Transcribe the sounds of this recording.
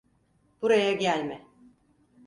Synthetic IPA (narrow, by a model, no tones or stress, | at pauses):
b̥uɾajaɟælʲmɪ